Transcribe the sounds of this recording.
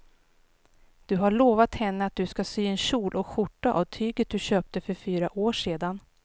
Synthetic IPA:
d̪̥ɵɦaɭoːvat̪hɛnːəat̪̚d̪ɵskasyːɛnɕuːlʔɔkɧʊʈːaʔa̰vt̪ʰyːɡət̪̚d̪ɵɕøːp̚t̪əfœɾfyːɾaʔoːʂeːd̪an

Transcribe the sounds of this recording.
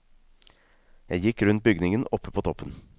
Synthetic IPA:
jæɪjɪkɾʉnt̪̚bʏɡnɪŋənɔpʰːəpʰoːt̪ʰɔpʰːən

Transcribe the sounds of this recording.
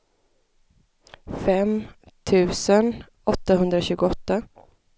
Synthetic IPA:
fɛm | t̪ʰʉ̟ːsən | ʔɔt̪ːahɵnd̪ɾaɕʉ̟ːɡʊɔt̪ːa

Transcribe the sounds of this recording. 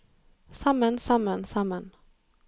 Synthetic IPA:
samːənsamːənsamːən

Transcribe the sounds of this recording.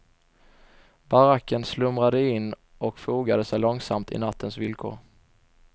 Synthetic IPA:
baɾakʰːənslɵmɾad̪əɪnː | ɔkfuːɡad̪əsɛjlɔŋsamt̪ʰɪ̰nat̪ʰːənsvɪlkʰo̰ːɾ

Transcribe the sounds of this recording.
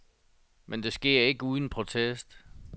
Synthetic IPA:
mʔend̥e̝sɡ̥e̝ɐ̰e̝ɡ̥əuːðˠn̩pʰʁo̝t͡sʰesd̥

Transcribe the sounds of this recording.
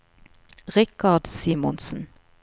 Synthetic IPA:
ʁɪkɑd̪siːmɔ̰nsn̩

